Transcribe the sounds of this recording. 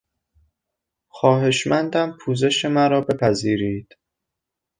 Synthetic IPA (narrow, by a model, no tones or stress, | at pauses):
xɒːɦe̞ʃmænd̪æmpʰuːze̞ʃe̞mæɾɒːbe̞pʰæziːɾiːd̪̥